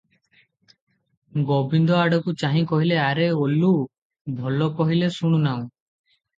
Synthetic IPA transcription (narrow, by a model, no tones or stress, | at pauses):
ɡobind̪ɔaɖɔkut͡ʃaɦĩkɔɦileaɾeolu | bʱɔlɔkɔɦilesuɽ̃unaw̃